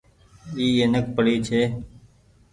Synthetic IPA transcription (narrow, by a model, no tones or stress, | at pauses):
iːeːnək̚pəɽiːt͡ʃʰeː